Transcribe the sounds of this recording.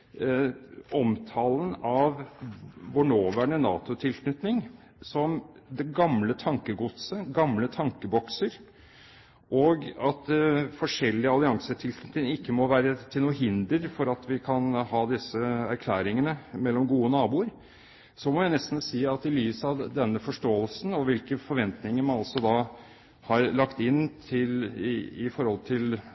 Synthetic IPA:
ɔmt̪ʰɑːlənɑʋ | ʋʊɳoːʋæːɳənɑ̰ːt̪ʊt̪ʰɪlkʰnʏt̪nɪŋ | sɔmd̪ɛɡɑmlət̪ʰɑŋkəɡʊt̪səɡɑmlət̪ʰɑŋkəbɔksəɾ | ʔoːɡɑt̪fɔʂɛlːɪəɑlɪɑŋsət̪ʰɪlkʰnʏt̪nɪŋɪkːəmɔʋæːɾət̪ʰɪluːəɦɪnd̪əɾfɔɾɑt̪ʋɪkʰɑnhɑːd̪ɪsəæɾkʰlæːɾɪŋənəmɛlːɔmɡuːənɑːbuːəɾ | sɔmɔjæɪnɛst̪n̩siːɑt̪ɪlyːsəɑʋd̪ɛnːəfɔʂʈoːəlsn̩ɔʋɪlkəfɔɾʋɛnt̪nɪŋəɾmɑnɑlsɔd̪ɑ | hɑːɾlɑkt̪ɪnːt̪ʰɪlɪfɔɾhɔlt̪ʰɪl

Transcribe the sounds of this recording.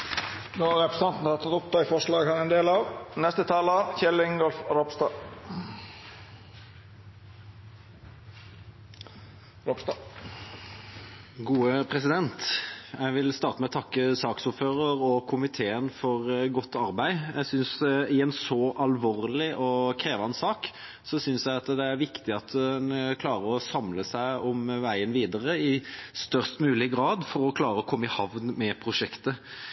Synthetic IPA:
noːɑɾɛpɾəsɑnt̪n̩hɑt̪ʰɑt̪ʊp̚t̪ʰɑːɪfɔʂlɑːɡhɑnɛnd̪eːlɑʋnɛst̪ət̪ʰɑːləçɛlɪŋɡ̪ɔlfɾɔpst̪ɑ | ɾɔpst̪ɑ | ɡuːəpʰɾɛsɪd̪ɛnt̪æɪʋɪlst̪ɑːʁt̪əmɛɔt̪ʰɑkːəsɑːksʊɾføːɾəɾɔkʰʊmɪt̪ʰeːənfɔɾɡɔt̪ʰːɑɾbæɪjæɪsʏnsɪɛnsɔʔɑlʋoːɾlɪʔɔkʰɾeːʋɑnsɑːk | sɔsʏnsjæɪɑt̪d̪ɛæɾʋɪkt̪ɪɑt̪ɛnkʰlɑːɾəɾɔsɑmləsæɪɔmʋæɪənʋiːd̪əɾəɪst̪œʁst̪mʉːlɪɡɾɑːd̪fɔɾɔkʰlɑːɾəɔkʰɔmːəɪhɑʋnmɛpʰɾʊʂɛkt̪ə

